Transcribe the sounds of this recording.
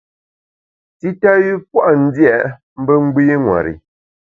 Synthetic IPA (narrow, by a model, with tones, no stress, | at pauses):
ti˦ta˦ji˦p̚wa˦ʔn̩˦dja˦˨ | m̩˦bə˦ŋ͡m̩˦ɡ͡bi˦ŋwa̰˨ɾḭ˨